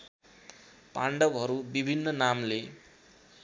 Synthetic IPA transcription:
paɳɖʌbɦʌɾubibʱinːʌnamle

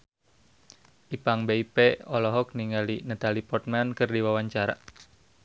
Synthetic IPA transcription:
ʔipaŋbeipeɔlɔɦɔk̚niŋalinat̪alipɔrt̪̚mankɨrdiwawaɲt͡ʃaɾa̰

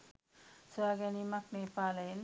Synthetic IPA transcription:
swaɡanimaknepalen

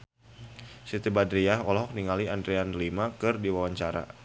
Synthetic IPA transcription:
sit̪ibadɾiaɦɔlɦɔk̚niŋaliandɾeanlimakɨrdiwawaɲt͡ʃaɾa̰

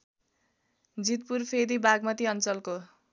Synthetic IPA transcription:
d͡zit̪̚purpʰed̪ibaɡmʌt̪iʌnt͡sʌlko

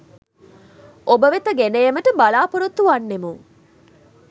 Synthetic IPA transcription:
obəʋet̪ɐɡenejeməʈəbalaːpuɾut̪ːuʋanːemuŋ

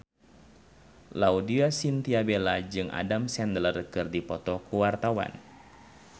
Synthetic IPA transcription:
laudiasint̪iabelad͡ʒɨŋʔa̰damsɛnd̪lərkɨrdipɔt̪ɔkuwart̪awa̰n

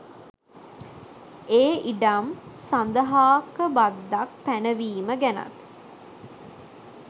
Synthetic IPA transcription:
eːʔiɖamsand̪əɦaːkəbad̪ːak̚pænəʋiːməɡæna̰t̪

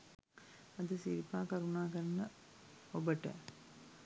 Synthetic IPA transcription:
ɐd̪əsiɾipaːkɐɾunaːkɐɾɐnɐ | obəʈə̰

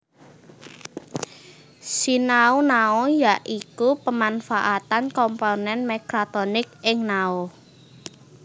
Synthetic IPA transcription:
sinaunaojaʔikupəmanfaʔat̪ankɔmponɛnmeɡɾat̪ɔnɪkʔɪŋnao

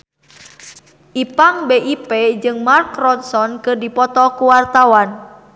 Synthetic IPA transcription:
ʔipaŋbeʔiped͡ʒɨŋmarkrɔnsɔnkɨrdipɔt̪ɔkuwart̪awan

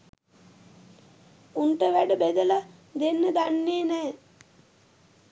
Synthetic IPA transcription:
unʈəʋæɖəbæd̪əla | d̪enːəd̪anːeːnɛː

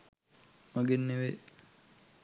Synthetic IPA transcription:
mɐɡenːeʋe

